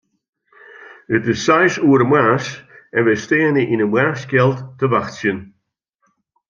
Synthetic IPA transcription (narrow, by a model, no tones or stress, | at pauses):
ətɪsajsuːɾəmwaːsɛvɛsteːəniʔinəmwɛɹskɛlˠttʰːəvaxtsjən